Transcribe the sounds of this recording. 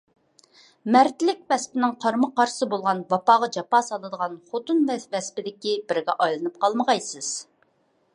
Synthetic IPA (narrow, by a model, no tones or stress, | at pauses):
mɛɾt̪ɪlɪk̚ʲvɛspɪnɪŋqʰɑɾməqɑɾsɨbolˠʁɑnwɑpɑːʁɑd͡ʒɑpɑːsɑlˠɨd̪əʁɑnχot̪ɨnvɛvɛspɪd̪ɪkʲibɪɾɡʲɛʔɑjlˠɨnɨp̚qʰɑlˠməʁɑjsɨz̥